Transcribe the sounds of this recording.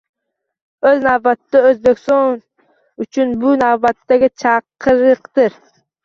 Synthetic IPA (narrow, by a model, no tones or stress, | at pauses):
ɵznavbat̪ːaøzbekʲst̪ɒn | ʊt͡ʃʰʊnbʊnavbat̪ːaɡʲat͡ʃʰɑqʰɨɾɨqt̪ɪɾ